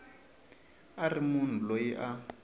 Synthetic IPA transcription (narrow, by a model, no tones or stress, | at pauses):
arimun̤ulojiʔa